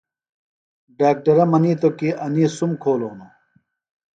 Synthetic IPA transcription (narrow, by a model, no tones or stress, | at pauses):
ɖaːk̚ʈɐɾɐmɐniːt̪okiʔɐniːsumkʰoːloːno